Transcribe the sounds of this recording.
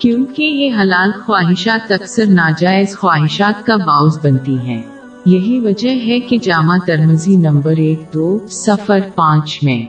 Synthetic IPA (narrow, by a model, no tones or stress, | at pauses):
kjũːkejeɦɐlaːlt̪xwaːɦɪʃaːt̪ɐksəɾnaːd͡ʒaːɪzxwaːɦɪʃaːt̪̚kabãːʊzbɐnt̪iɦɛ̃ː | jɐɦiʋɐd͡ʒəɦɦɛked͡ʒaːmat̪ɐɾməzinɐ̃mbəɾeːk̚d̪oːsɐfəɾpãːt͡ʃmẽː